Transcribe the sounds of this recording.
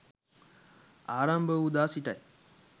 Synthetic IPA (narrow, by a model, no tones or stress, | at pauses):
aːɾambʱəud̪aːsiʈa̰j